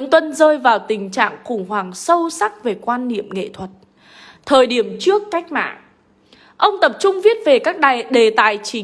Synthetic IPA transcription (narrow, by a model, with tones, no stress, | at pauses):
ɨ̰˧˥ŋt̪wə˧nzəː˧jvaː˨˩wt̪ï˨˩ŋ̟t͡ɕa̰ː˧˨ŋxʊ˧˩ŋ͡mɦwaː˨˩ŋsə˧wsa˦˥k̚ve˨˩kwaː˧nːḭ˧˨əmŋḛ˧˨t̪ʰwə˨˩t̚ | t̪ʰəː˨˩jɗi˧˩əmt͡ɕɨ˦˥əkːa˦˥jk̟̚ma̰ː˧˨ʔ | ʔə˧wŋ͡mt̪ə˨˩p̚t͡ɕʊ˧ŋ͡mvi˦˥ət̚ve˨˩kaː˦˥k̚ɗa˨ɗe˨˩t̪a̰ː˧˨jt͡ɕï˨˩˦